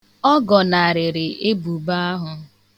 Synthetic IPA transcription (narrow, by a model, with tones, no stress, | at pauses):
ɔ˦ɡɔ˨na˨a˨ɾɪ˨ɾɪ˨e˦bu˨ba˦a˦ɦʊ˦